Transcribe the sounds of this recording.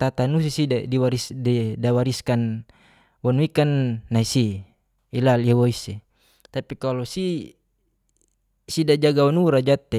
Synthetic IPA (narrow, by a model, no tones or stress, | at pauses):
t̪at̪anus̬isidadiwaɾisdidawaɾiskan | wanuikanːaisi | ilaliawoise | t̪apikalɔsi | sidad͡ʒaɡawanuɾad͡ʒat̪ːe